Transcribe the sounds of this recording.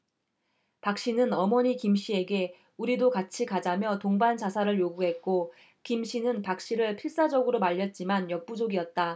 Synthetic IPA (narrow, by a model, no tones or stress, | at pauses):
pak̚ɕ͈inɯnʌmʌɲikimɕ͈ie̞ɡe̞ | uɾidokat͡ɕʰikad͡ʑamjʌtoŋband͡ʑasʰaɾɯɭjoɡuɦe̞t̚k͈o | kimɕ͈ʰinɯnpak̚ɕ͈iɾɯɭpʰiɭs͈ad͡ʑʌɡɯɾomaʎːʌt̚t͡ɕ͈imanjʌk̚p͈ud͡ʑoɡiʌt̚t͈a